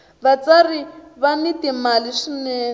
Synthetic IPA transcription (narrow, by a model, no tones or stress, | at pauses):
βat͡sariβanitimaliʂinɛː